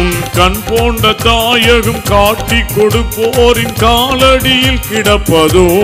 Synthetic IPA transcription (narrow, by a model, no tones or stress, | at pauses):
ʊnkɐnpoːɳɖɐt̪ːaːjɐɣɯmkaːʈːikːɔɽɯpːoːɾɪnkaːlɐɽɪjɪlkɪɽɐpːɐðɯ